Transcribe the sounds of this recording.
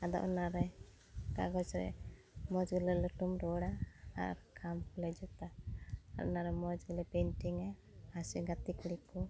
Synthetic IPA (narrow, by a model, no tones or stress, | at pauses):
ad̪ɔ̰ʔɔnaɾɛ | ka̰ɡɔt͡ʃɾɛ̰ | mɔd͡ʒɡəlɛləʈumɾɔɽa̰ːɾkʰamkulɛd͡ʒɔt̪aaʔɔ̰naɾɛmɔd͡ʒɡəlɛpɛnʈiŋa | asiɡat̪ikɽikɔ